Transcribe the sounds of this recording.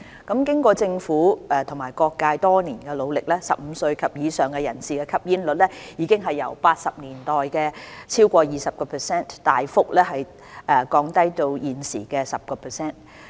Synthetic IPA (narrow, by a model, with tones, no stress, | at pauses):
kɐ˨˥mkɪ˥ŋkʷɔː˧t͡sɪ˧ŋfuː˨˥ʔɛː˨˩t̪ʰʊ˨˩ŋmaː˨˩jkɔː˧kːaː˧jt̪ɔː˥niː˨˩nkɛ˧lo˨˧wlɪ˨k̚lɛ˥sɐ˨p̚m̩˨˧sɵ˧ɥkʰɐ˨p̚jiː˨˧sœː˨ŋkɛ˧jɐ˨˩nsiː˨kɛː˧kʰɐ˥p̚jiː˥nlɵ˨t̚lɛ˥jiː˨˧kɪ˥ŋɦɐ˨jːɐ̰˨˩wpaː˧t̚sɐ˨p̚niː˨˩nt̪ɔː˨jkɛː˧t͡sʰiː˥wkʷɔː˧jiː˨sɐ˨p̚kɔː˧pʰɛː˨sɛː˥˩nt̪aː˨jfʊ˥k̚lɛː˥ɦɐ˨j | ʔɛː˧˩kɔː˨˧ŋt̪ɐ˥jt̪o˧wjiː˨nsiː˨˩kɛː˧sɐ˨p̚kɔː˧pʰɛː˨˩sɛː˥˩n